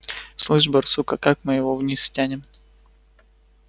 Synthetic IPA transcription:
slˠɨʂbɐrsukəkakmɨjɪvovnʲisfʲtʲænʲɪm

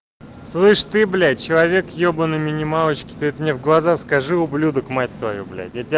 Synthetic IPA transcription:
slˠɨʂt̪ɨblʲæt͡ɕɪlˠɐvʲe̞kjobənɨmʲɪnʲɪmalˠət͡ɕkʲɪ̥t̪ɨɛt̪mnʲevɡlˠɐzaskɐʐɨʊblʲud̪əkmat̚ʲt̪vɐjublʲæ̰jatʲ

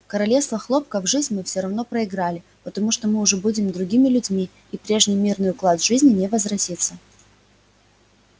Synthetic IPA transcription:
kəɾɐlʲefst̪vəxlˠo̞p̚kəvʐɨzʲnʲmɨfsʲoɾɐvno̞pɾəɪɡɾalʲɪ | pət̪ɐmuʂt̪omɨʊʐɛbudʲɪmd̪ɾʊɡʲimʲɪlʲʉdʲmʲiː | pɾʲe̞ʐnʲɪjmʲirnɨjʊklˠad̪ʐɨzʲnʲɪnʲevəzɾɐtʲit̪sə

